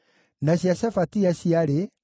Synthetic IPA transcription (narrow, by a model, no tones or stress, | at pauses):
naɕjaɕafatiaɕiaɾe